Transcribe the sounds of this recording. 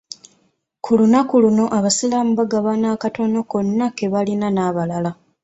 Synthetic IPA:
kʰulunakuluno̞ʔaβasilamuβaɡaβanaːkato̞no̞ko̞nːake̞βalinanaːβalala

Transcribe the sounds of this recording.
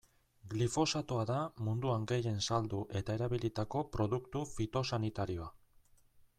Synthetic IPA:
ɡlifo̞sat̪oaðamund̪uaŋɡe̞je̞nsald̪uʔe̞t̪ae̞ɾaβilit̪ako̞pɾo̞ðukt̪ufit̪o̞sanit̪aɾio̞a

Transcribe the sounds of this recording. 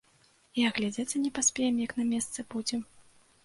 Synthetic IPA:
iaɣlʲad͡zʲat͡sʲɐnʲɛpasʲpʲɛjɛmjɐknɐmʲɛst̪sɨbud͡zʲɛ

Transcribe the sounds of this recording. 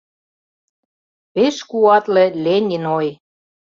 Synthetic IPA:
peʃkuɑt̪lĕlenʲinoj

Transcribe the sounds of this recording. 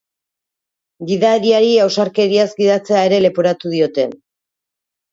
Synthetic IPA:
ɡiðaeɾiaɾiawsaɾke̞ɾiazɡiðat͡se̞ae̞ɾe̞le̞poɾat̪uðio̞t̪e̞̰n

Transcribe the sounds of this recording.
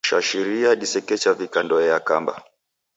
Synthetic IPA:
ʃaʃiɾiaɗisɛkɛt͡ʃavikandɔɛakamba̰

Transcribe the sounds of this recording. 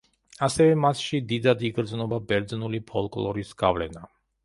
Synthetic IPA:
asɛvɛmat̪ʰʃid̪id̪ad̪iɡɾd̪znɔbabɛɾd̪znulipʰɔlˠkʼlˠɔɾisɡ̥a̰vlɛna

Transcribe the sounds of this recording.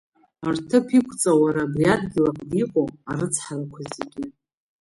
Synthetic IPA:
artʰɨpʰikʷʰt͡sʼawaɾabriadɡʲɪlak̚ʰʼdiqʷʼoaɾɨt͡sʰħarakʷʰazeɡʲɪ

